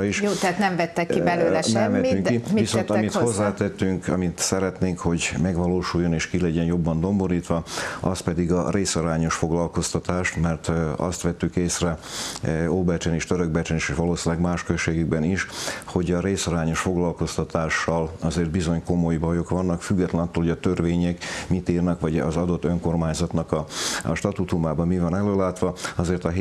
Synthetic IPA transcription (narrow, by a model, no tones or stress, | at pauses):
iʃoːt̪ɛat̪nɛmvɛt̪ːɛkːibɛlløːɛnɛmvɛt̪yŋkːivisot̪ɒmit̪o̞zːaːt̪ɛt̪ːyŋkɒ̰mit̪sɛɾɛt̪neːŋkho̞ɟmɛɡʋɒloːʃujːo̞neːʃkilɛɟɛnjo̞bːɒnd̪o̞mboɾiːt̪ʋɒɒst̪pɛd̪iɡɒreːsɒɾaːɲo̞ʃfo̞ɡlɒlko̞st̪ɒt̪aːʃt̪mɛrt̪ɒ̰st̪ʋɛt̪ːykeːsrɛ | oːbɛrt͡ʃɛneʃt̪øɾøɡ̚bɛrt͡ʃɛneʃeːʃʋɒloːsinlɛɡmaːʃkøʃeːɡyɡbɛniʃho̞ɟɒɾeːsɒɾaːɲo̞ʃfo̞ɡlɒlko̞st̪ɒt̪aːʃːɒlɒzeːrd̪bizo̞ɲko̞mo̞jbɒjo̞kʋɒnːɒkfyɡːɛt̪lɛnɒt̪ːolhoɟɒt̪ørveːɲɛkmit̪iːrnɛkʋɒɟɒ̰zɒd̪o̞t̪ːøŋko̞rmaːɲzɒt̪nɒkɒ̰ʃt̪ɒt̪ut̪umaːbɒmmivɒnɛløːlaːt̪ʋɒɒzeːrt̪ɒɦ